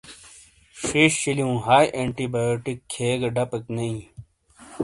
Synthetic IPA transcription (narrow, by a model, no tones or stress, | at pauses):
ʂiɕɕiliũːɦaːjʔeɳʈibajoːʈikʰːeːɡɐɖɐpeknɐĩ